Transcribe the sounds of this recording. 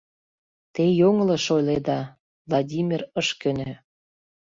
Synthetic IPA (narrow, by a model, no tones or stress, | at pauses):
t̪ejoŋlɤ̆ʃojled̪ɑ | vlˠɑdʲimʲirəʃkø̆nø̆